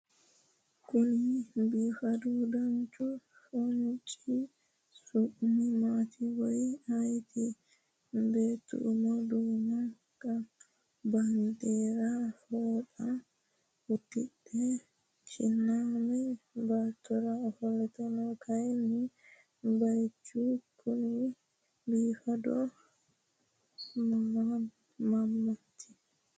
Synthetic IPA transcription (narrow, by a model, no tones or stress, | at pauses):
kʊnibiːfɐd̪ud̪ɐnt͡ʃʼu | sɔnt͡ʃʼi | sʊʔmɛmaːt̪ʰiwɔjajt̪ʰɛ | beːt̪ːṵʔmad̪uːna | kʼːɐ | bɐnd̪eɾafoːta | utːiɗɛ | t͡ʃḭnːamɛbatːɔɾaɔhɔlɛtanɔkʰajni | bajt͡ʃːukʰuni | biːfadɔ | mama | mamːatʰi̥